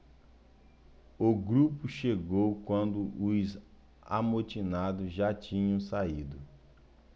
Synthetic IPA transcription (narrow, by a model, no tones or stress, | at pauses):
oɡɾupʊʃeɡowkwɐ̃nd̪ʊʔʊz | a̰mot͡ʃinad̪ʊzʒat͡ʃĩɲɐ̃w̃said̪ʊ